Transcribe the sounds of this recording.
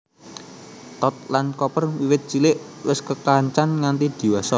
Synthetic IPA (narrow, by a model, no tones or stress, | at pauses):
t̪ɔt̪̚lankɔpərwiwɪt̪̚t͡ʃilɪʔwɪskəkaɲt͡ʃanŋant̪id̪̥i̤wasɔ